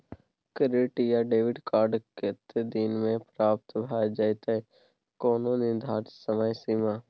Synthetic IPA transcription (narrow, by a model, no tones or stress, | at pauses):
kəɾɪːʈijaɖeːʋɪɖkaːɾɖket̪ed̪inmẽpɾaːp̚t̪bʱaːjd͡ʒət̪e | koːnonɪnd̪ʱaːʈsəməjsimaː